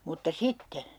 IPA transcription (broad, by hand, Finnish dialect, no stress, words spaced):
mutːɑ sitːe